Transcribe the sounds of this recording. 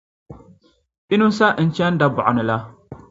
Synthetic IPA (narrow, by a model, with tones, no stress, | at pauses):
pi˦nu˦sa˦ʔn̩˨t͡ʃɛ˦n˦da˦bɔ˨ʔʊ˨nɨ˨la˦